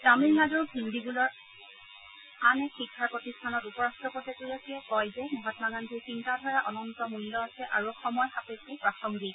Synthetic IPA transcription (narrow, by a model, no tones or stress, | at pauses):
tamilnadɔɹbʱindibulɔɹ | anɛxikʰːaɹpɹɔtistʰanɔtupɔɹastɹɔpɔtɛtuɹasiɛkɔjzɛmɔɦɔtmaɡandʱisintadʱɔɹaʔɔnɔntɔmulːɔasɛʔaɹuɔxɔmɔjxapetipɹaxɔŋɡi